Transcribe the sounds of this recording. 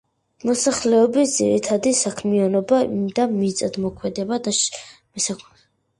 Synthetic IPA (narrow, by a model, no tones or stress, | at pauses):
mɔsaχlɛɔbisd̪z̥ḭɾit̪ʰad̪isakʰmianɔbad̪amit̪sʼad̪mɔkʰwɛd̪ɛbad̪a | msa